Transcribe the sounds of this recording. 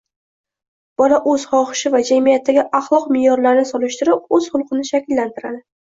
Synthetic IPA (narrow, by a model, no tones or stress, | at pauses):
b̥ɒlaʔɵz̥χɒχɪ̥ʃɪvad͡ʒamijat̪ʰːaɡʲɪʔɑχlˠɒqmɪjɒɾlaɾɪnɪsɒlɪʃt̪ɪɾɪp̚ɵz̥χʊlˠqʰɨnɪʃakʲɪlːant̪ʰɪɾad̪ɪ